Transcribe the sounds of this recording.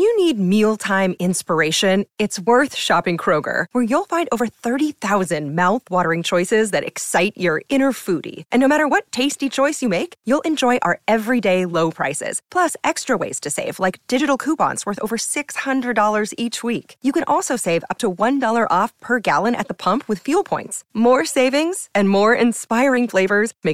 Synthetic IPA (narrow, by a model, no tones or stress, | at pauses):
jɨnid̚milˠtʰãɪ̃mɪ̃nspə˞eɪʃɨ̃nɨtswɜ˞θʃɑpɪ̃ŋkʰɹ̥oʊɡə̰˞wə˞julˠfãɪ̃ndoʊvə˞θɜ˞ɾiθaʊzɨ̃nmaʊθwɔɾə˞ɪ̃ŋt͡ʃʰɔɪsɪzðɨɾɨ̰ksaɪt͡ʃə˞ɪ̃nə˞fuɾḭʔɨ̃nːoʊmæɾə˞wʌtʰeɪstit͡ʃʰɔɪsjɨmeɪkjulˠʔɨ̃nd͡ʒɔɪʔə˞ʔɛvɹideɪloʊpʰɹ̥a̰ɪsɪ̰z̥pʰl̥ʌsɛkstɹ̥əwḛɪz̥tʰɨseɪvlaɪk̚d̥ɪd͡ʒɨɾl̩ˠkʰupɑ̰̃ntswɜ˞θo̰ʊvə˞sɪkshʌ̃ndɹɨdɔlˠə˞zit͡ʃwikjɨkɨ̃nʔɔlˠsoʊseɪvʌ̰p̚tʰəwʌ̃ndɔlˠə˞ʔɔfpʰə˞ɡæ̰lˠə̃ñɨ̰t̪̚ðəpʰʌ̃mpʰwɨð̥fjulˠpʰɔ̃ɪ̃ntsmɔɹseɪvɪ̃ŋz̥ɨ̃nmɔɹɪ̰̃nspaɪɹɪ̃ŋfleɪvə˞z̥meɪ